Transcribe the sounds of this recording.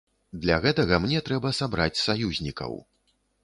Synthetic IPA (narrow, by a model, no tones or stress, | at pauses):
d̪lʲaɣɛt̪ɐɣɐmnʲɛt̪ɾɛbɐsabɾat͡sʲsajuzʲnʲikɐ̰w